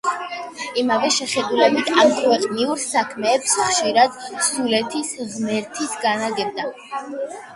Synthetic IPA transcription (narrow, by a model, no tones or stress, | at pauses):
imavɛʃɛχɛd̪ulɛbit̪ʰamkʰwɛqʼniuɾsakʰmɛːpsχʃiɾad̪sulɛt̪ʰisʁmɛɾt̪ʰisɡanaɡɛb̚d̪a